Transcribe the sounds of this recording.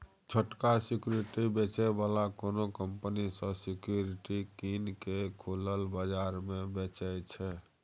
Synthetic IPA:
t͡ʃʰəʈkasikjuɾiʈibet͡ʃɛbalakonokəmpənisə̃sikjuɾiʈikinkekʰoləlbəd͡ʒaɾmebet͡ʃɛt͡ʃʰɛ

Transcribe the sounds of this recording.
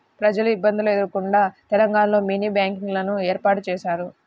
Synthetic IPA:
pɾɐd͡ʒɐluibːɐnd̪ilued̪uɾkuɳɖaːt̪ɛlɐŋɡaːnɐlo̞ːmiːniːbjaːŋkiŋɡlɐnueːɾpaːʈut͡ʃɛːʃaːɾu

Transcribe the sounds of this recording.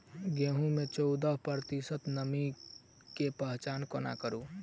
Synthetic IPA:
ɡeɦũmet͡ʃɔʊd̪əɦpəɾt̪isət̪nəmi | kepəɦt͡ʃaːnkona̰kəɾu

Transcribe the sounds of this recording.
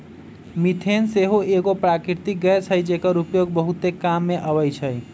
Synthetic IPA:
mit̪ʰenseɦoeɡopɾakɾiɾt̪ik̚ɡəet͡ʃʰəjd͡ʒekəɾupjoɡ̚bəɦut̪ekamːeʔəβəjt͡ʃʰəj

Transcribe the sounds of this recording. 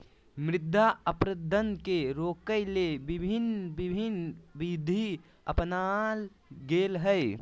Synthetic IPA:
mɾɪd̪ʱːaəpɾəd̪ʱːənkeɾoːkəjlebibʱinbibʱinbid̪ʱi | əpnal | ɡeːlɦəɛ

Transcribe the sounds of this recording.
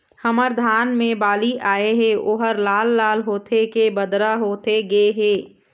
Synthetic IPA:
həməɾd̪ʱaːnmẽbaːliʔaːeɦɛ̃ʔoːɦəɾlaːlːaːlɦoːt̪ʰekebəd̪ɾaɦoːt̪eɡeɦeː

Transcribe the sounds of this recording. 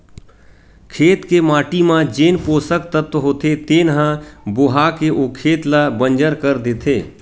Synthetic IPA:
kʰeːt̪kemaːʈimãd͡ʒeːnpoːsək̚t̪ət̪əɦoːt̪et̪eːnɦãbʊɦaːkeʔoːkʰeːt̪labə̃nd͡ʒəɾkəɾd̪eːt̪ʰeː

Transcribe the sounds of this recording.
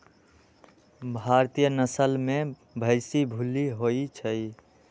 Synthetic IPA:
bʱaɾt̪ijənəsəlme | bʱəɪsibʱuliɦoit͡ʃʰəj

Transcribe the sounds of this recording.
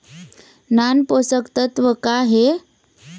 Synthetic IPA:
nanposəkt̪ət̪ʋəkaɦe

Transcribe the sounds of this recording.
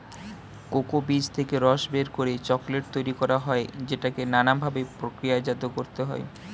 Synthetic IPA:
kokobid͡ʑt̪ʰekeɾɔʃbeɾkoɾet͡ɕɔkleʈ̚t̪ojɾikɔɾaɦɔed͡ʑeʈakenanambʱabepɾokɾijad͡ʑad̪okoɾt̪eɦɔe

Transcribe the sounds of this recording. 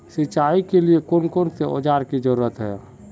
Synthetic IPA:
sit͡ʃaikeliekonkont̪eo̰d͡ʒaɾkid͡ʒəɾuɾət̪ɦɛ̰

